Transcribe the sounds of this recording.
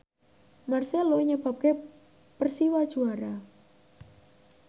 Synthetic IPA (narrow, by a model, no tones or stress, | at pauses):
marseloiɲəb̥a̤p̚ke | pərsiwad̥ʒ̥uaɾa